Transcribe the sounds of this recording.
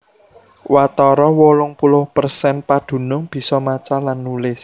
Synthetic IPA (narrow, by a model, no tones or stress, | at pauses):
wat̪ɔɾɔwolʊŋpulʊhpərsɛnpad̪̥ṳnʊŋb̥i̤sɔmat͡ʃalanːulɪs